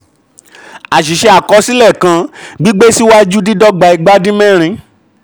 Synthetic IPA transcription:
a˨ʃ̬i˨ʃɛ˧˦a˨kɔ˧˦si˦lɛ˦˨kã˧˦ɡ͡bi˦ɡ͡be˦si˦wa˦i˦d͡ʒu˦di˦dɔ˦ɡ͡ba˧i˧ɡ͡ba˦dĩ˦mɛ̃˦˨ɾ̃ĩ˧

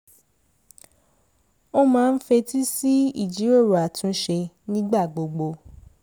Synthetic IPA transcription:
o˦mãː˦˧n̩˦fe˧ti˦si˦ḭ˦˨d͡ʒi˨˦ɾo˦˨ɾo˨a˨tũ˨˦ʃe˧ | nĩ˦ɡ͡ba˦˨ɡ͡bo˨ɡ͡bo˧˦

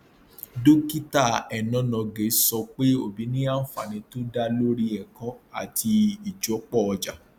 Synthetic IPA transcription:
do˦ki˦ta˦˨ɛ˨nɔ̃˨˦nɔ̃˨˧ɡe˨˦sɔ˧k͡pe˦o˦˨bi˨˦nĩ˦a˦n̩˦fa˨nĩ˨˧to˦da˧lo˦ɾi˧ɛ˨kɔ̃˧˦a̰˦˨tʰi˧i˨d͡ʒɔ˨˦k͡pɔ˦˨ɔ˧d͡ʒa˨

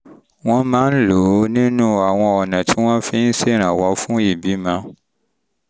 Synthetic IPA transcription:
w̃ɔ̃˦mãː˦n̩˦lo˨˦nĩ˦nũ˦a˨w̃ɔ̃˧ɔ˨nã˨tʰi˦w̃ɔ̃˦fĩ˦n̩˦si˦˨ɾ̃ã˨wɔ˨˦fũ˦i˦˨bi˨˦mã˨˦

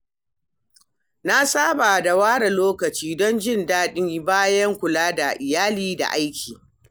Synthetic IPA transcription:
na˦sʼaː˦ba˨da˨waː˦ɽa˨loː˦kɐ˨t͡ʃiː˦dɔ˦nd͡ʒɪ˦˨ndaː˦ɗɪ˦ɲji˦baː˦jɐ˦ŋkʷʊ˨laː˦da˨ʔɪ˨jaː˦liː˦da̰˨ʔa˦jkʲʰiː˨

